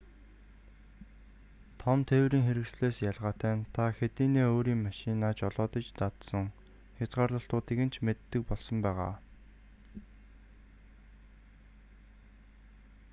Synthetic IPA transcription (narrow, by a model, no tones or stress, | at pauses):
t̪ʰɔmt̪ʰewɾiːŋxeɾɘ̆ksɮeːsjaɮʁaːt̪æːnt̪ʰaxet̪iːneːoːɾiːŋmaʃɪnaːt͡ɕɔɮɔːt̪ə̆t͡ɕt̪at̪sɞ̆ŋ | xʲat͡sɢaːrɮə̆ɬt̪ʊːt̪iːɣɘ̆n̥t͡ɕʰmet̪ːɘ̆k̚pɔɮsɞ̆mpæːʁa̰ː